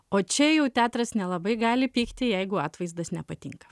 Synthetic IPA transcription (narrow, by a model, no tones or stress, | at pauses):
oːt͡ʃʲɛjɛʊt̪ʲæːt̪ɾɐsnʲɛlˠɐbɐɪɡɑːlʲɪpʲiːkt̪ʲɪjɛɪɡʊɑːt̪ʋɐɪzd̪ɐsnʲɛpɐt̪ʲɪŋkɐ̥